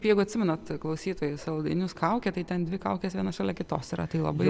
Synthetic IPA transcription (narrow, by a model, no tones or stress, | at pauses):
pjɛɪɡʊɐt̪ʲsʲɪmʲɛnɐt̪klˠɐʊsʲiːt̪oːjʊsɐlˠd̪ɐ̰ɪnʲʊskɐʊkʲɛt̪ɐɪt̪ʲɛnd̪ʲʋʲɪkɐʊkʲeːsʋʲiɛnɐʃɑːlʲɛkʲɪt̪oːsiɾɐt̪ɐɪlˠɐ̰bɐɪ